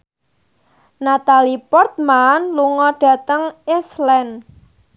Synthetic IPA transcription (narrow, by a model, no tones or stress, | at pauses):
nat̪alipɔrt̪̚manluŋɔɖ̥a̤t̪əŋɪslɛn